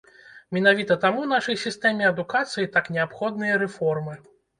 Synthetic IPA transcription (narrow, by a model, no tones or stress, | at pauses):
mʲɛnavʲit̪ɐt̪amunaʂɐjsʲist̪ɛmʲɛɐd̪ukat̪sɨjit̪aknʲɛapxɔd̪nɨjɐɾɛfɔrmɨ